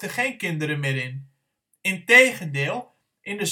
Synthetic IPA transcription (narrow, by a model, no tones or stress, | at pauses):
təχeːnkɪndəɾəmɪːɾɪn | ɪntejɣəndɪːlˠ | ʔɪndəz